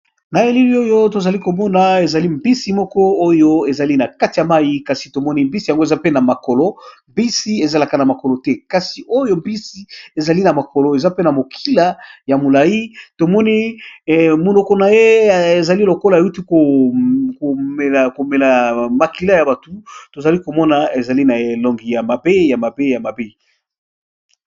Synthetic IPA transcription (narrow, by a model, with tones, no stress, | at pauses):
na˨e˨li˦li˦o˦jo˦t̬o˨za˨li˦ko˨mɔ˦na˨e˨za˨li˦mbi˦si˨mɔ˦kɔ˦o˦jo˦e˨za˨li˦na˨ka˦ti˨ja˨ma˦ji˦ka˨si˨to˨mɔ˦ni˦mbi˦si˨ja˨ŋɡo˦e˨za˦pe˦na˨ma˨ko˨lo˦mbi˦si˦e˨za˨la˨ka˨na˨ma˨ko˨lo˨tɛ˦ka˨si˨ʔo˦jo˦mbi˦si˨˦e˨za˨li˦na˨ma˨ko˨lo˨e˨za˦pe˦na˨mo˨kʰi˦la˨ja˨mo˨la˨ji˦to˨mɔ˦ni˦˨ | mo˨no˨kɔ˨na˨je˦˨e˨za˨li˦lo˨ko˦la˨e˨u˦ti˦ko˨ko˨mɛ˨la˨ko˨mɛ˨la˨ma˨ki˨˦la˦ja˨ba˨tu˨to˨za˨li˦ko˨mɔ˦na˨e˨za˨li˦na˨e˦lɔ˨ŋɡi˨ja˨ma˨be˦ja˨ma˨be˦ja˨ma˨be˦